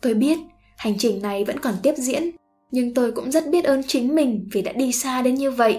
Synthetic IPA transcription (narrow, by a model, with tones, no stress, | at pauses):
t̪o˧jɓi˦˥ət̚ | ha˨˩jŋ̟t͡ɕï˨˩ŋ̟na˨˩jvə̰˧˥nkɔ˨˩nt̪i˦˥əp̚zḭ˧˥ən | ɲɨ˧ŋt̪o˧jkʊ̰˧˥ŋ͡mzə˦˥t̚ɓi˦˥ət̚ʔəː˨˦nt͡ɕï˨˦ŋ̟mï˨˩ŋ̟vi˨˩ɗa̰ː˧˥ɗi˧saː˧ɗe˨˦nɲɨ˧və̰˧˨jʔ